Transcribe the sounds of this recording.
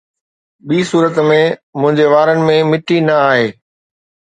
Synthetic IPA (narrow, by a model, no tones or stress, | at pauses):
ɓiːsuːɾət̪mẽmʊ̃ɦɪ̃ɲd͡ʑeʋaːɾənɪ̆mẽmɪʈinɐaːɦeː